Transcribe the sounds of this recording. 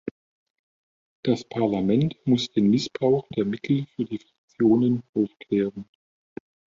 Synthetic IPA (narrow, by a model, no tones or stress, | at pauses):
d̥aspʰaɐlamɛntmʊsd̥eːnmɪsb̥ʁaʊxd̥eːɐmɪtʰl̩fyːɐdiːfʁ̥ḁk̚t͡sjoːnənʔaʊfkʰl̥ɛːʁən